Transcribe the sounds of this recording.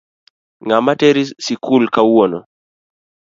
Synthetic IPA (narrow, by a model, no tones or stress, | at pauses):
ŋamateɾisikulkawonɔ